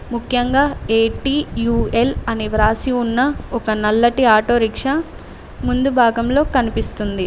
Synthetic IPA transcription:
mukʰjɐŋɡaːeːʈiːjuːelɐniʋɾaːsiunːɐɔkɐnɐlːɐʈiaːʈo̞ːɾikʂɐ | mund̪ubʱaːɡɐmlo̞ːkɐnipist̪und̪i

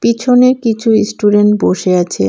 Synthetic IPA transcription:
pit͡ɕʰoneɾkit͡ɕʰuisʈuɖeɳʈboʃeat͡ɕʰḛ

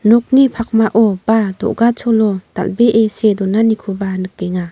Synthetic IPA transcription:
nɔk̚nipʰak̚maʔɔb̥ad̪ɔ̰ʔɡat͡ʃʰɔlɔd̪̥a̰lbeʔesed̪ɔnanikʰubanɯk̚ːɛŋa

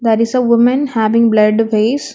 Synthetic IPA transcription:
d̪æɾɪsəʋʊmə̃nhæːʋɪ̃ŋblʌɖʋeːs

